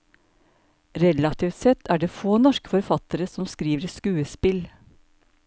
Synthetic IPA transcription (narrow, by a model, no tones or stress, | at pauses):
ɾɛlɑt̪ʰiːft̪sɛt̪ʰːæːɖeːfoːnɔʃkə̥fɔɾfɑt̪əɾəsɔmskɾiːʋəɾskʉːəspɪl